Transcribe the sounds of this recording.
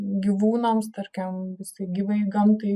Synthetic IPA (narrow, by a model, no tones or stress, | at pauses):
ɡʲiʋuːnɐmst̪ɐɾʲkʲɛmʋʲɪsʲɪɡʲiʋɐɪɡɐmt̪ɐɪ